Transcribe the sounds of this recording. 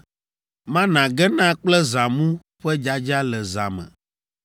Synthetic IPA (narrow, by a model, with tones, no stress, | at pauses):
mã˦nã˨ɡɛ˦nã˦k͡plɛ˦za˨mũ˦ | ɸɛ˦d͡ʒa˦d͡ʒa˦lɛ˨za̰˨mɛ̰̃˨